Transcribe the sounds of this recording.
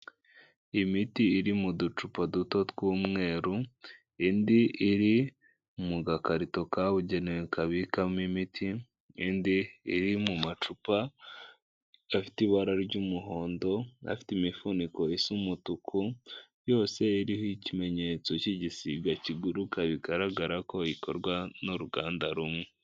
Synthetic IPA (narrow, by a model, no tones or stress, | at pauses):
imitiːɾimudut͡ʃupaduto̞tɡuːmŋe̞ːɾu | indiʔiɾi | muɡakaɾito̞kaβuɟe̞newekaβikamimitʰi | indiːɾimumat͡ʃupa | afi̥tiβaɾaɾɟumuɦo̞ːndo̞a̰fi̥timifunikoisumutukʰu | jo̞ːse̞iɾihoicime̞ɲe̞t͡so̞ciɟisiɡaciɡuɾukʰaβiɡaɾaɡaɾako̞ikʰo̰ɾɡwanuɾuɡaːndaɾumŋe